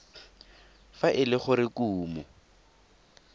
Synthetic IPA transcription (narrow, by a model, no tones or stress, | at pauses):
faʔɪlɪχʊɾɪkuːmɔ